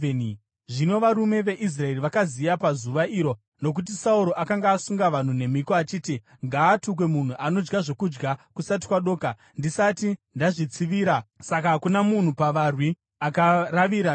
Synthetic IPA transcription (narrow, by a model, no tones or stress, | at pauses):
n | ʐino̞ʋaɾume̞ʋe̞ʔis̬rae̞riʋakazijapazuʋaʔiɾo̞ | no̞k̬ut̬isauɾo̞ʔakaŋɡaːsuŋɡaʋan̤une̞mikoat͡ʃiːti | ŋɡaːtuk̬we̞mun̤uʔano̞d͡ʒɡaʐo̞kud͡ʒɡakusat̬i̥kwaɗo̞ːka | ndisatindaʐit͡siʋiːɾasakakunamun̤upaʋarwi | akaraʋiɾa